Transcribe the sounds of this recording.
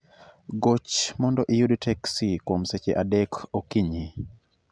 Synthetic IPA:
ɡot͡ʃmɔndɔʔɪjudtʰɛksikwomset͡ʃeʔadɛkokiɲi

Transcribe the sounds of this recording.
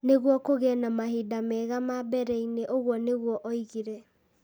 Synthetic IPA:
neɣwɔkoɣɛnamaɦidamɛɣamabɛɾɛineʔoɣwɔneɣwɔʔɔiɣiɾɛ

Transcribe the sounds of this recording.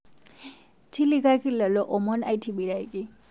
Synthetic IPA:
tʰilikʰakʰilːalɔʔɔmɔna̰jtʰibiɾajki

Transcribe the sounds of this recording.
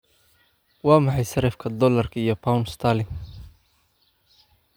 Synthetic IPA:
wɑːmɑħɑjsɐɾɛfkʰɐd̪ɔlɐrkʰɐijɔpʰawnst̪ʰaːlɪŋ

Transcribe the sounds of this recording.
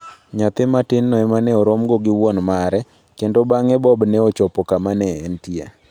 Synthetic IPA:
ɲat̪ɪmatɪnːɔɛmanɛɔɾomɡoɡɪwɔnmaɾɛ | kendobaŋɛbɔbnɛɔt͡ʃɔpɔkamanɛːntia̰

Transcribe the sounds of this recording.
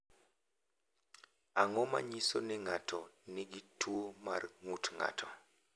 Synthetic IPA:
aŋɔma̰ɲiso̰nɪŋatʰɔnɪɡitʰuoma̰rŋutŋa̰tʰɔ

